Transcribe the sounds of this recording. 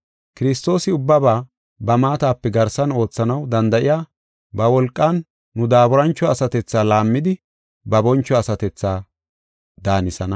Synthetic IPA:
kɪɾɪst̪o̞ːsɪʊbːɐbaː | bɐmaːt̪aːpːɛɡɐɾsɐno̞ːt͡sːɐnɐwd̪ɐnd̪ɐʔɪjaː | bɐwɔlkʼːɐnː | ʊd̪aːbʊɾɐnt͡ʃːɔɐsɐt̪ɛt͡sːaːlaːmːɪd̪ɪ | bɐbɔnt͡ʃːɔɐsɐt̪ɛt͡sːaː | d̪aːnɪsɐnɐ

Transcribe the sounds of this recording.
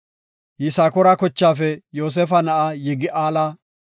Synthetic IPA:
jɪsaːkɔɾakɔt͡ʃːaːfɛjoːs̬ɛfɐnɐʔajɛɡɪʔaːlɐ

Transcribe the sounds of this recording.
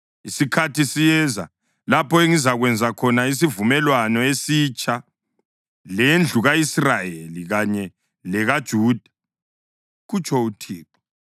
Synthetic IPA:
isikʰatʰisijɛza | lapʰɔeŋizaɣwɛnd͡zʱakʰɔnais̬ivumɛlwanɔesiːt͡ʃʼa | lend͡ɮʱuɣaisrajeliɣaɲɛ | lɛɣad̥ʒ̥ʱuːd̥ʱḁ | ɣut͡ʃʰʼɔutʰiːǁɔ̥

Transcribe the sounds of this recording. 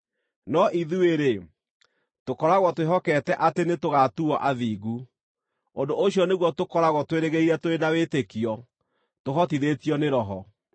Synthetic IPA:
nɔʔiðueɾe | tokɔɾaɣwɔtweɦɔkɛtɛʔatenetoɣatuɔʔaðiːɣu | ondoːɕjɔneɣwɔtokɔɾaɣɔtweɾeɣeiɾɛtoɾenawetekiɔ | toɦɔtiðetijɔneɾɔɦɔ

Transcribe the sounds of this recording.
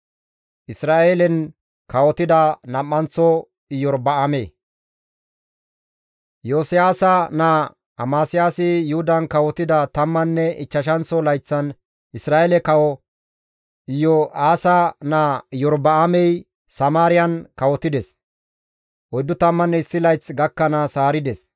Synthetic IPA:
ʔɪsɾaːʔeːlɛn | kɐwɔt̪ɪd̪ɐnɐmːɐnt͡sːɔ | ɪjɔɾbɐameː | joːsɪjaːsɐna | ɐmaːsɪjaːsɪjʊhʊd̪ɐnkɐwɔt̪ɪd̪ɐt̪ɐmːɐnːɛɪt͡ʃːɐʃɐnt͡sːɔlɐjt͡sːɐn | ɪsɾaːʔɛlɛkɐwɔ | ɪjɔaːsɐnaːjɔɾbɐːmɛj | sɐmaːɾɪjɐnkɐwɔt̪ɪd̪ɛs | ʔɔjd̪ʊt̪ɐmːɐnːɛɪsːɪlɐjt͡sːɡɐkːɐnɐsaːɾɪd̪ɛs

